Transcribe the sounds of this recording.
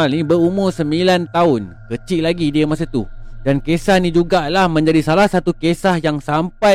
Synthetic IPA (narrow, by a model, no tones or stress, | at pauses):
alnĩbəɾumʊrsəmbilant̪aʊnkət͡ʃiʔlaɡidiəmasat̪udankesahnĩd͡ʒuɡaʔlahmə̃ɲd͡ʒadisalahsat̪ukesahjaŋsampa